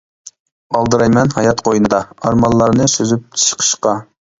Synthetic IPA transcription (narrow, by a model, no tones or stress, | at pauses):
ɑlˠd̪ɨɾɑjmɛnhɑjɑt̪qʰojɨnɨd̪ɑɑɾmɑlˠːɑɾnɨsøzyp̚t͡ʃʰɨ̥ʃqʰə̥ʃqɑ